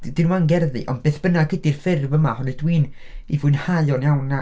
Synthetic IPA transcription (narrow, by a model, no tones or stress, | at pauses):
d̥ɪnwmaŋɡɛrðɨ̰ʔɔ̰ndbeːθb̥ənaɡədirfɪrvəmahɔnɨdwiːn | ivʊɨnhajɔnjawna